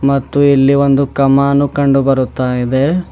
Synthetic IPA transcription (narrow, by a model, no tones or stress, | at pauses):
mɐt̪ːuilːiʋo̞nd̪ukɐmaːnːukɐɳɖubɐɾut̪ːaːjid̪e̞